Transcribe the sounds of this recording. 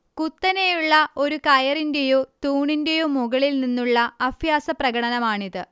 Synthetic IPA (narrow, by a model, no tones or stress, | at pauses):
kut̪ːɐnejuɭːɐo̞ɾukɐjɐrindejot̪uːɳinde̞jumːuɣɐɭilninːuɭːɐɐfjaːsɐprɐɡɐɽɐnɐmaːɳiðɨ